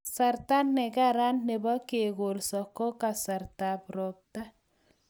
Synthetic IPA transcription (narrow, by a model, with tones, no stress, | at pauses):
sa˨ɾta˦nːɛ˨ɡa˦ɾa˦nːe˨bɔ˦ke˨ɣo˨lsɔ˨ko˦ka˨sa˨ɾta˨pɾo˨p̚ta˦